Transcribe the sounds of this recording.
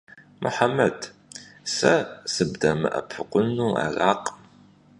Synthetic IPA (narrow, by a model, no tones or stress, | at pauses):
mʔʊ̰ħamɐd | sɐsɨbdɐmɨ̰ʔɐpʰɨqʷʼʊnuːa̰raːqʼm